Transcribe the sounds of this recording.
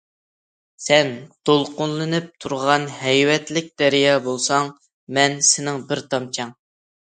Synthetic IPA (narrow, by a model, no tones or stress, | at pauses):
sɛnd̪̥olˠqʊnlˠɨnɨp̚t̪ʰuɾʁɑnhɛjwɛt̪lɪk̚ʲd̪̥ɛɾijɑːbolˠsɑŋ | mɛnsɪnɪŋbɪɾt̪ʰɑmt͡ʃʰɑŋ